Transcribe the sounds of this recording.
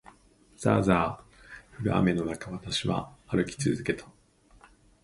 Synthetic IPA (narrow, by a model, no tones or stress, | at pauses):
z̥a̰ːzaː | ɸɯ̟ɾɯ̟a̰me̞no̞nakaβat̪aɕiβa̰ːɾɯ̟kʲi̥t͡sɨzɨke̞t̪ʰḁ